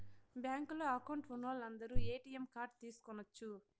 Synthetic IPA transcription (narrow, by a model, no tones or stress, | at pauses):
bjaːŋkloːɐkɐwɳʈunoːlɐnd̪ɐɾuːeːʈiːemkaːɾɖ̚t̪iːsu̥kɔnːɐt͡ʃːu